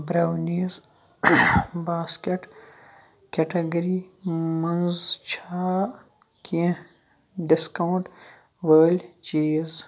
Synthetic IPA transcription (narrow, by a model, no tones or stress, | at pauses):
bɾaːwniːz | baːskeʈ | kʲeʈɐɡɐɾimɐnzt͡ʃʰaː | kĩ | ɖiskawɳʈ | ʋəːlʲt͡ʃeːz